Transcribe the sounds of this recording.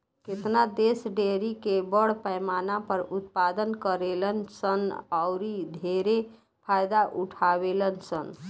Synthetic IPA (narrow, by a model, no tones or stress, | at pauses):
ket̪nad̪esɖeɾikebəɽ̤pəjmanapəɾut̪pad̪ənkəɾelənsənaʊɾid̪ʱeɾe | pʰajd̪aʔuʈʰaβelənsən